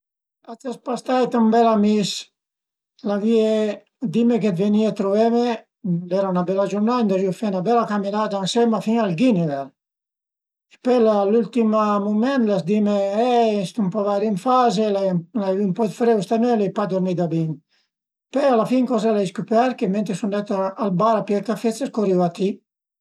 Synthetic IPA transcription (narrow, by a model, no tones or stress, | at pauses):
at̪aspast̪ajt̪umbɛlamis | lavie | d̪imek̬ed̪veniat̪ɾuvɛme | lɛɾaunabɛlad͡ʒuɾnadɛnd̪ɔʒiufɛnabɛlakaminad̪ansɛmafiŋalɡinevɛl | epɛlalult̪imamumɛnt̪lazd̪imeɛst̪umpɔvaɾiɱfazelalaivimpɔd̪fɾɛwst̪amølepad̪oɾnid̪abiŋ | pɛalafiŋkɔzɛlaiskupɛɾkement̪ɾesund̪ɛt̪aalbaɾapjɛɾk̪afet͡sːeskoɾiwat̪i